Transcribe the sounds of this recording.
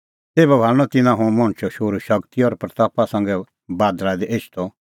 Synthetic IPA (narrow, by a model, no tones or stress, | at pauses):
seːbɛbʱaːlɽ̃ɔt̪ɪnãɦũmɔ̃ɳ̃t͡ʃʰɔʃoːɾuʃɐkt̪iɔːɾpɾɐt̪aːpasɐ̃ŋɡɛ | baːd̪ɾad̪ɛʔeːʃt̪ʰɔ